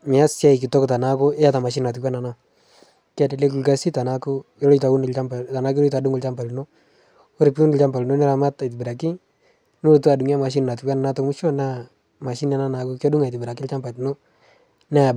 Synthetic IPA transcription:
mɪ˨a˦sja˦i˨kɪ˨tɔ˦kta˨na˦kʊ˦ɪ˦a˦ta˨ma˨ʃ̬i˦n˨a˨t̬u˨ka˦na˨na˦ | kɪ˦a˦de˨le˦k̬u˨lɡa˦si˦ta˨na˦kʊ˦ɪ˦lɔ˦jta˨u˦nɪ˨lt͡ʃa˦mpa˨ta˨na˦klɔ˦jt̬a˨du˦ŋɡʊ˦lt͡ʃa˦mpa˨lno˦ | o˦ɾɪ˨pi˦u˦nɪ˨lt͡ʃa˦mba˨lno˦nɪ˦ɾa˨ma˦ta˨jt̬ɪ˨bɪ˨ɾa˨kɪ˦ | nu˦o˨tu˦a˨du˨ŋ˦a˦ma˨ʃ̬i˦nna˨t̬u˨kːa˦na˨na˦tɔ˦kmu˦ʃo˦na˦ | ma˨ʃi˦na˨˦na˦na˨ko˦kɔ˦du˦ŋa˨jtɪ˨bɪ˨ɾa˨k̬ɪ˦lt͡ʃa˦mpa˨tno˦ | na˦˨

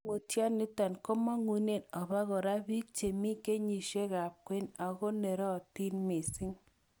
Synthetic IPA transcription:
mu˨tja˦nɪ˦ta˨nko˦mɔ˦ŋu˨ne˨nɔ˨βa˦ɣɔ˨ɾa˦bi˦k̚t͡ʃe˨mi˦ke˦ɲi˨ʃe˦ɣa˨p̚kwe˦na˨ɣɔ˦ne˨ɾɔ˦˨ti˦nme˨sɪ˦ŋ

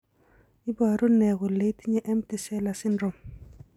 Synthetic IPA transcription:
i˦ba˨ɾo˦nɛ˨ɣo˨le˦ti˦ɲe˦ʔɛ˦mti˦˨sɛ˦la˨sɪ˦nɾɔ˨m

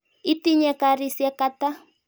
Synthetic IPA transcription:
i˦ti˦ɲɛ˨ka˨ɾi˦˨siɛ˦ka˦ta˦

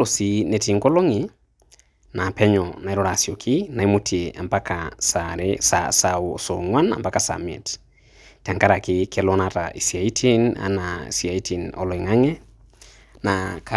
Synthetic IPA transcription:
lo˨si˨nɛ˨ti˨ŋɡo˦lo˦ŋi˨ | na˨pɛ˦ɲɔna˨i˦ɾɔ˦ɾa˨sjo˨kʰɪ˦na˨i˦mutʰie˨ʔa̰˨mpa˦kasaɾesa̰sao˨so˨ŋwa˦na̰˨mba˦ka˨sa̰˨mḛ˨t | ta˨ŋɡa˦ɾa˨kɪ˦kʰe˦lɔ˦na˨ta̰˨ʔi˨si˨a˨i˦tʰi˦na̰˦na̰˨sia˨i˦ti˨nɔ̰˨lɔ˨i˨ŋa˦ŋɛ˦ | nakʰa

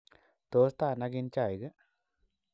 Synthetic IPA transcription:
t̪o˨˦st̪a˧˨na˧ɡi˧nt͡ʃa˧˨jɡə˦

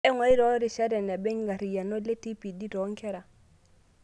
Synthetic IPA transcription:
ɛ˦ŋɔ˨˦i˦ɾɔ˦ɾɪ˨ʃɛ˦ɾɛ˨nɛ˨bɛ˦ŋɡa˨ɾi˨ja˨nɔ˦le˦ti˦pi˨di˦ɾɔ˨˦ŋ˦kʰɛ˦ɾa˨

